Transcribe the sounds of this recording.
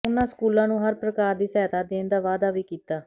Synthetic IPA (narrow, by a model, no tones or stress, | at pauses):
ʊnãːskuːlãːnũːɦəɾpɾəkaːɾd̪iːsɛːt̪aːd̪eːnd̪aːʋaːd̪aːʋiːkiːt̪aː